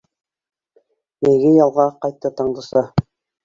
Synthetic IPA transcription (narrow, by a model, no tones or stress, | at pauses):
meɡɘjɑlˠʁɑqɑjt̪ːɤt̪ɑɴd̪ɤ̆sɑ